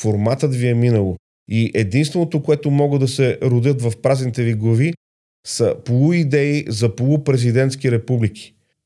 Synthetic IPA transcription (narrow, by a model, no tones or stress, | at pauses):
foɾmat̪ət̪viɛminəlˠo | iʔɛd̪inst̪vɛnot̪okoɛt̪omɔɡəd̪ɐsɛɾod̪jət̪vɐfpɾaznit̪ɛviɡlˠɐvi | sɐpolˠuid̪ɛizɐpolˠupɾɛzid̪ɛnt̪skiɾɛpublik̟ʰʲi̥